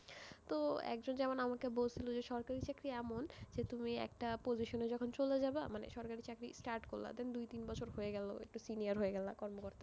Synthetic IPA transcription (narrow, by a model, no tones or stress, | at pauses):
t̪oɛ̰kd͡ʑond͡ʑɛmonamakebolt͡ɕʰilod͡ʑeʃɔɾkaɾit͡ɕakɾiɛmond͡ʑet̪umiɛ̰k̚ʈapod͡ʑiʃoned͡ʑɔkʰont͡ɕoled͡ʑabamanḛʃɔɾkaɾit͡ɕakɾḭsʈaɾʈkolːa̰d̪end̪ujt̪inbɔt͡ɕʰoɾɦoeɡɛlo̰ḛk̚ʈusinijaɾɦoeɡɛlakɔɾmokoɾt̪a